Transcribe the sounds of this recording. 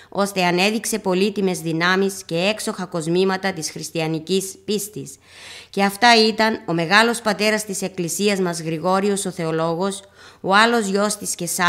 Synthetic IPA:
o̞st̪e̞ɐne̞ðikse̞po̞lit̪ime̞zðinɐmisce̞e̞kso̞xɐko̞zmimɐt̪ɐt̪isxɾist̪iɐnicispist̪is | ce̞ɐft̪ɐit̪ɐno̞meɣɐlo̞spɐt̪e̞ɾɐst̪ise̞klisiɐzmɐzɣɾiɣo̞ɾio̞so̞θe̞o̞lo̞ɣo̞s | oɐlo̞zʝo̞st̪isce̞sɐ

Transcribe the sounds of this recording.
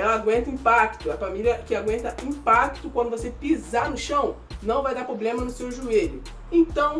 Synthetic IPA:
ɛlɐaɡwẽnt̪ɐĩpakt̪ʊɐfamilʲjɐkɪaɡwẽnt̪ɐĩpakt̪ʊkwɐ̃nd̪ʊvosepizanʊʃɐ̃w̃ | nɐ̃w̃vajd̪aɾpɾoblẽmɐnʊsewʒueʎʊ | ẽnt̪ɐ̃w̃

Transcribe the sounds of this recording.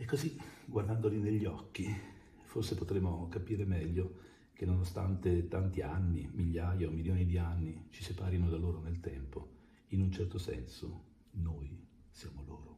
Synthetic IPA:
ekːoziɡward̪and̪olineʎːiɔkːi | forsepot̪ɾemːokapiːɾemɛʎːo | k̟enːonost̪a̰nt̪et̪ant̪ianːimiʎːaːjaomiljoːnid̪ianːit͡ʃisepaːɾinod̪aloːɾonelt̪ɛmpo | inunt͡ʃɛrt̪osɛ̰nso | noj | sjaːmolo̰ːɾo

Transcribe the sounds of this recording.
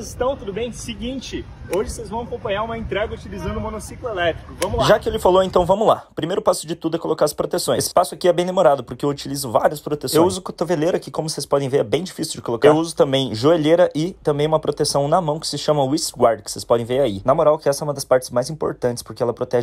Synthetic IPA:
zɪst̪ɐ̃w̃t̪ud̪ʊbẽj̃sɪɡĩt͡ʃɪ | oʒɪsezvɐ̃w̃ɐkõpɐ̃j̃aɾũmɐẽnt̪ɾɛɡɐut͡ʃilizɐ̃nd̪ʊ̃monosiklʊelɛt̪ɾikʊvɐ̃mʊaʒakɪelɪfaloẽnt̪ɐ̃w̃vɐ̃mʊzla̰pɾimejɾʊpasʊd͡ʒɪt̪ud̪ʊɛkolokaɾɐspɾot̪esõj̃esspasʊakiɛbẽj̃d̪emoɾad̪ʊpoɾkɪeewut͡ʃilizʊvaɾiɐspɾot̪esew̃uzʊkot̪oveleɾɐkɪkõmʊsespɔd̪ẽj̃veɾɛbẽj̃d͡ʒifisiwd͡ʒɪkolokaeɾwuzʊt̪ɐ̃mbẽj̃ʒoeleɾɐʔɪt̪ɐ̃mbẽj̃umɐpɾot̪esɐ̃w̃nɐmɐ̃w̃kɪ̥sɪʃɐ̃mɐ̃isɡwaɾd̪kɪ̥sespɔd̪ẽj̃veɾainamoɾawkɪɛsɐɛũmɐd̪ɐspaɾt͡ʃɪ̥zmajzĩpo̰ɾt̪ɐ̃nt͡ʃ̪ɪ̥spoɾkɪɛlɐpɾot̪ɛʒ

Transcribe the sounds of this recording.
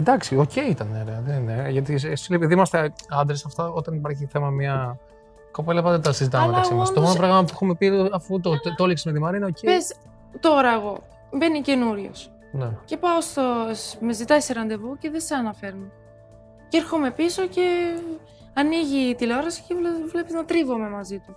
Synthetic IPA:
end̪ɐksioce̞it̪ɐneoɾeɐðenineʝɐt̪isesilepiðimɐst̪eɐnd̪ɾesɐft̪ɐot̪ɐnipɐɾçiθe̞mɐmɲɐ | ko̞pelɐpɐðet̪ɐsizit̪ɐmɐɐlɐsmosnt̪omonopɾɐɣmɐp̬uexumepiɐfut̪ot̪oliksemet̪imɐɾineocees | t̪o̞ɾɐeɣo̞ | be̞nice̞nuɾʝo̰s | nece̞pɐost̪omezit̪ɐiseɾɐnd̪e̞vuce̞ðeseɐnɐfe̞ɾno | ceeɾxome̞piso̞ce̞ | ɐniʝit̪iloɾɐsi̥cevlvle̞piznɐt̪ɾivo̞me̞mɐzit̪u

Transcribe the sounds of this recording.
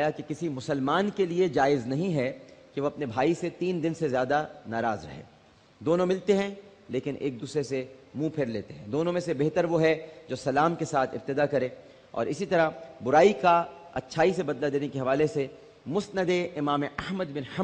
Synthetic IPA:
jakekɪsimʊsəlmaːnkelied͡ʒaːɪznɐɦĩɦɛkeʋoɐpnebʱaːiset̪iːnd̪ɪnsezjaːd̪anaːɾaːzɾɐ̰ɦḛ̃ː | d̪oːnõmɪlt̪eɦɛ̃ | leːkɪnʔḛːk̚d̪uːsɾesemũpʰɪɾleːt̪eɦɛ̃d̪oːnõmẽsebeɦt̪əɾʋoɦɛd͡ʒoːsɐlaːmkesaːt̪ʰɪb̚t̪ɪd̪akɐɾẽː | ɔ̰ːɾɪsit̪ɐɾabʊɾaːika | ɐ̰tːʃʰaːisebɐd̪lad̪eːnekiɦɐʋaːlese | mʊsnəd̪eɪmaːmeʔɐɦməd̪bɪ̃nhɐ

